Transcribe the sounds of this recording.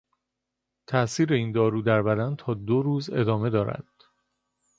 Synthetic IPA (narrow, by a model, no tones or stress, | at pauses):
t̪ʰæʔsiːɾeiːnd̪ɒːɾuːd̪æɾbæd̪ænt̪ʰɒːd̪oɾuːze̞̰d̪ɒːme̞d̪ɒːɾæ̰d̪̥